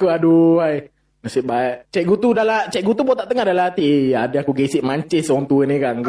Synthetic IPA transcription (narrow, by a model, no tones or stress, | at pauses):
akuaduaj | masɪʔbaeʔt͡ʃɛʔɡut̪udalat͡ʃɛʔɡut̪ubɔt̪aʔt̪əŋahdalaɦat̪iadəakuɡesɪʔ̚maɲt͡ʃɛsɔaŋt̪uənikan